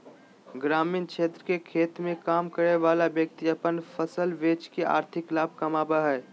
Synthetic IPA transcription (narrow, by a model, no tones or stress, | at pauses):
ɡɾaːmiːnkʃeːt̪ɾəkekʰeːt̪mẽkaːmkəɾeʋaːlabjək̚t̪iɐpənfʰəsəlʋeːt͡ʃkea̰ːɾt̪ʰɪklaːb̚ʱkamaːbaɦɛː